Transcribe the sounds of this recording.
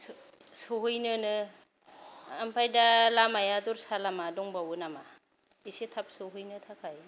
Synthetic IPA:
s | sɯɦujnɯnɯ | ampʰajdalamajaduɾsalamadɔŋbawɯnama | isetʰap̚sɯɦɯjnɯtʰakʰaj

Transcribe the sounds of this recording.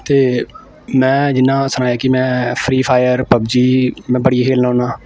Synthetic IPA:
t̪eː | mɛ̃ːd͡ʒɪnːãːsənaːjaːkɪmɛ̃ːpʰɾiːpʰaːjəɾpəbd͡ʒiːmɛ̃ːbəɽijaːkʰeːlnaõːnaː

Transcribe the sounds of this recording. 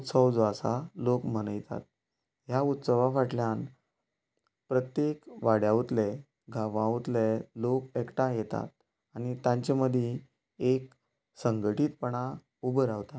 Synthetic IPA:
ut̪səwd͡zasa̰lokm̤ənəjt̪a̰t̪̚ | jaut̪səʋafaʈljan | pɾət̪jekʋaɽjaʋt̪le | ɡʱaʋãʋt̪lelokekʈajet̪a̰t̪̚ | añit̪ãɲt͡ɕeməd̪ʱje | ek̚ | səŋɡəʈiːt̪̚pəɳ̃a | ubəɾaʋt̪a

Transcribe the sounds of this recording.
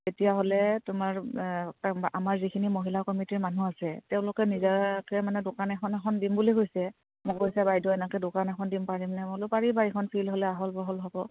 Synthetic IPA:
etijaɦolɛtʊmaɹkaamaɹzikʰinimoɦilakɔmitiɹmanuasɛtɛʊ̃lʊkɛnizakɛmanɛdokanɛkʰɔnɛkʰɔndimbulikojsɛ | mɔkojsɛbajdɔɛnakɛdokanɛkʰɔndimpaɹimnɛmlopaɹibaekʰɔnpʰilɦolɛaɦɔlbɔɦɔlɦɔbɔ

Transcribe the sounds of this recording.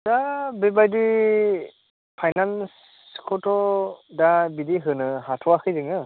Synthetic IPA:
dabebajdi | pʰajnans | kʰɔtʰɔdabidiɦɯnɯhatʰɔakʰɯjzɯŋɯ

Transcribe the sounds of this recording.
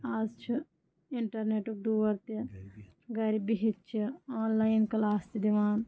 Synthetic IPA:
aːzt͡ʃʰi | ɪɳʈɐɾneːʈuɖuːʋɐɾt̪i | ɡɐɾibiɦit̪t͡ʃʰiaːnlaːjinkɐlaːst̪id̪iʋaːn

